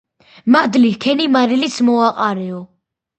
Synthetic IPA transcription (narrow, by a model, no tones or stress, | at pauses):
mad̪likʰɛnimaɾilismɔaqʼaɾɛɔ